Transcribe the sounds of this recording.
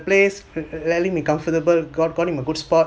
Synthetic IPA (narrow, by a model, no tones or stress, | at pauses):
pleslɛlĩŋmikãɱfətəbəlɡɔt̚ɡɔ̃nĩməɡudspɔt̚